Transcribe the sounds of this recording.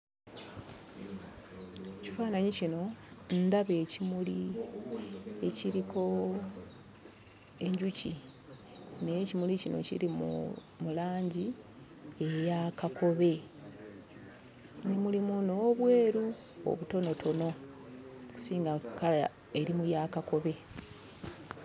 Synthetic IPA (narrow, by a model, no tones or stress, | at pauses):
ecifaːnaɲicino̞ndaβe̞ːcimuli | e̞ciɾiko̞ | e̞ɲɟuci | necimulicino̰cḭɾimṵ | mulaːɲɟi | e̞jakako̞βe̞ | nemulimuno̞ːβwe̞ːɾu | o̰βuto̞no̞tʰo̞no̞ | ku̥siːŋɡakala | e̞ɾimujakako̞βe̞